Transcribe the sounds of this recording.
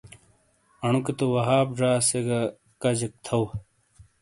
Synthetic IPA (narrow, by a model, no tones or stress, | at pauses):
ɐɳuket̪owɐɦaːp̚ʐaːseɡɐ | kɐd͡ʑek̚t̪ʰɐw